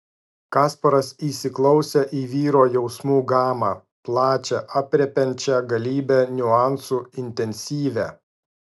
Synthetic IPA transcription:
kɑːspɐɾɐsiːsʲɪklˠɒʊsʲɛʔiːʋʲiːɾoːjɛʊsmuːɡɑːmɑː | plˠɑːt͡ʃʲɛʔɑpʲɾʲɛpʲɛnʲt͡ʃʲɛɡɐlʲiːbʲɛnʲʊɑˑnsuːɪnʲt̪ʲɛnʲsʲiːʋʲæ

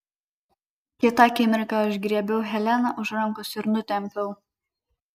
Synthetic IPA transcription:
kʲɪt̪ɑkʲɪmʲɪɾʲkɑʊʒɡɾʲiɛbʲɛʊɦʲɛlʲɛnɐʔʊʃɾɐmkosɪɾnʊt̪ʲɛmʲpʲɛl

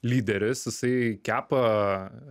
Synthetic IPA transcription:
lʲiːd̪ʲɛɾʲɪsjɪsɐɪkʲæːpɐ

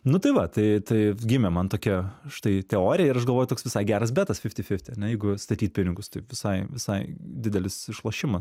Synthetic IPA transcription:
nʊt̪ɐɪʋɐt̪ɐɪt̪ɐɪɡʲɪmʲɛmɐnt̪oːkʲɛʃt̪ɐɪt̪ʲɛoːɾʲɪjɛɪɾɐʃɡɐlˠʋoːjʊtoːksʋʲɪsɑɪɡʲæːɾɐs̬bʲæːt̪ɐsfʲɪfʲt̪ʲɪfʲɪfʲt̪ʲɪɐnʲɛjɛɪɡʊst̪ɐt̪ʲiːt̪̚ʲpʲɪnʲɪɡʊst̪ɐɪpʋʲɪsɐɪʋʲɪsɐɪd̪ʲɪd̪ʲɛlʲɪsɪʃlˠɐːʃʲɪmɐs

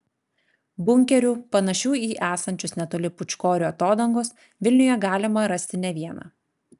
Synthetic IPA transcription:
bʊŋʲkʲɛɾʲuːpɐnɐʃʲuːiːʔæːsɐnʲt͡ʃʲʊsnʲɛt̪oːlʲɪpʊt͡ʃʲkoːɾʲʊːɐt̪oːd̪ɐŋɡos | ʋʲɪlʲnʲʊjɛɡɑːlʲɪmɐɾɐsʲt̪ʲɪnʲɛʋʲiɛnɑ̰ː

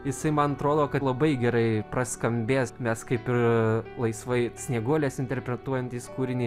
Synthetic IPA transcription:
jɪsɐɪmɐnɐt̪ɾoːd̪oːkɐlˠɐbɐɪɡʲɛɾɐɪprɐskɐmʲbʲeːsmʲɛskɐɪpɪrlˠɐɪsʋɐɪsʲnʲiɛɡuɔlʲeːsɪnʲt̪ʲɛɾʲpʲɾʲɛt̪uɔjɛnʲt̪ʲiːskuːɾʲɪnʲiː

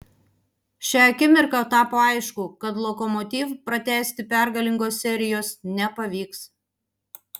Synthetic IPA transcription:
ʃʲɛɐkʲɪmʲɪɾkɐt̪ɑːpoːɐɪʃkʊkɐt̪lˠɔkɔmɔt̪ʲiːfpɾɐt̪ʲæːsʲt̪ʲɪpʲæɾɡɐlʲɪŋɡoːssʲɛɾʲɪjoːsnʲɛpɐʋʲiːks

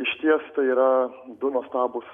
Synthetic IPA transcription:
ɪʃʲt̪ʲiɛst̪ɐɪiːɾɐ | d̪ʊnoːst̪ɑːbʊs

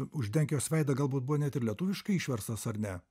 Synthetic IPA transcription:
ʊʒʲd̪ʲɛŋʲkʲɪjoːsʲʋʲɛɪd̪ɐɡɐlˠbuːt̪̚buʋoːnʲɛt̪ʲɪɾlʲiɛt̪uːʋʲɪʃkɐɪiːʃʲʋʲɛɾst̪ɐsɐɾnʲɛ

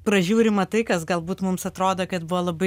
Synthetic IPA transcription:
pɾɐʒʲuːɾʲɪmɐt̪ɐɪkɐsɡɐlˠbuːt̪mʊmsɐt̪ɾoːd̪oːkɐt̪bʊʋoːlˠɐbɐɪ

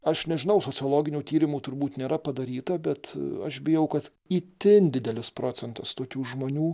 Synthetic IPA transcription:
ɐʃnʲɛʒʲɪnɐʊsoːt͡s̪ʲɪoːlˠoːɡʲɪnʲuːt̪ʲiːɾʲɪmuːt̪ʊɾbuːt̪nʲeːɾɐpɐd̪ɐɾʲiːt̪ɐbʲɛt̪ɐʃbʲɪjɛʊkɐt̪ | iːt̪ʲɪnd̪ʲɪd̪ʲɛlʲɪspɾoːt͡s̪sʲɛnt̪ɐst̪oːkʲuːʒmoːnʲuː

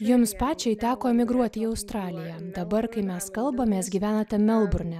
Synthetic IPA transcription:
jʊmspɑːt͡ʃʲɛɪt̪ʲæːkoːɛmʲɪɡɾuɔt̪ʲɪiːɐʊst̪ɾɑːlʲɪjɛd̪ɐbɐɾkɐɪmʲɛskɐlˠbɐmʲeːsɡʲiːʋʲæːnɐt̪ʲɛmʲɛlˠbʊɾʲnʲɛ

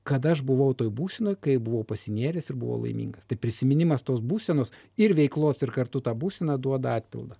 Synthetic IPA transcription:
kɐt̪ɐʃbʊʋɐʊt̪oːjbuːsʲɛnoːjkɐɪbʊʋɐʊpɐsʲɪnʲiɛɾʲeːsɪɾbʊ̰ʋo̰ːlˠɐ̰ɪmʲḭːŋɡɐst̪ɐɪpʲɾʲɪsʲɪmʲɪnʲɪmɐst̪oːsbuːsʲɛnoːs | ɪɾʋʲɛɪklˠoːsɪɾkɐrt̪ʊt̪ɑːbuːsʲɛnɐd̪uɔd̪ɐɑːt̪ʲpʲɪ̰lˠd̪ɐ

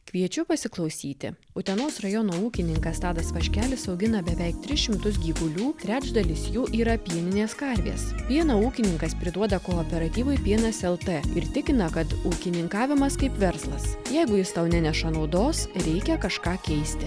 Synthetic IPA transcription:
kʋʲiɛt͡ʃʲʊpɐsʲɪklˠɒʊsʲiːt̪ʲɪ̰ | ʊt̪ʲɛnoːsɾɐjɔnoːuːkʲɪnʲɪŋkɐst̪ɑːd̪ɐsʋɐʃʲkʲæːlʲɪsɒʊɡʲɪnɐbʲɛʋʲɛɪk̚t̪ʲɾʲɪsʃʲɪmt̪ʊs̬ɡʲiːɡʊlʲuːt̪ʲɾʲæːd͡ʒd̪ɐlʲɪsjuːʔiːɾɐpʲiɛnʲɪnʲeːskɐɾʲʋʲḛːspʲiɛnɐuːkʲɪnʲɪŋkɐspʲɾʲɪd̪uɔd̪ɐkoːɔːpʲɛɾɐt̪ʲiːʋɐɪpʲiɛnɐsɛlˠt̪ɛɪɾt̪ʲɪkʲɪnɐkɐt̪uːkʲɪnʲɪŋkɑːʋʲɪmɐskɐɪpʋʲɛɾslˠɐsjɛɪɡʊjɪst̪ɐʊnʲɛnʲɛʃɐnɒʊd̪oːsɾʲɛɪkʲɛkɐʃkɑːkʲɛɪsʲt̪ʲɪ

